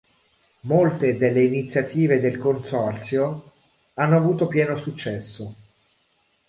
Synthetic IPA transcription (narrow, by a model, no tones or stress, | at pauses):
molt̪ed̪elːeinit̪sːjat̪iːved̪elkonsɔrt̪sjo | anːoavuːt̪opjɛːnosut͡ʃːɛsːo